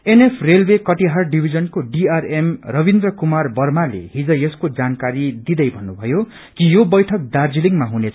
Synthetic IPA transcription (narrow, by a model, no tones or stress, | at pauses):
enepʰrelbekʌʈiɦarɖibʱid͡zʌnkoɖiaremrʌbind̪rʌkumarbʌrmalḛɦid͡zʌjʌskod͡zankaɾid̪id̪ʌjbʱʌnːubʱʌjo | kijobʌjʈʰʌk̚d̪ard͡ziliŋmaɦunet͡sʰ